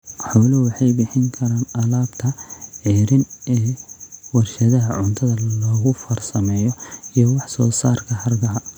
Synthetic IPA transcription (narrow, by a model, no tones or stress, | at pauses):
ħɔwlɐwɑħɑjbɪħɪŋkʰɐɾaːnɐlaːbt̪ʰɐʕiːɾɪnɛːwɑrʃɐðɐɦɐʕʊnt̪ʰɐðɐlɔːɣʊfɐrsɐmɛːjɔijɔwɑħsɔːsaːrkʰɐɦɐrɡɐɐ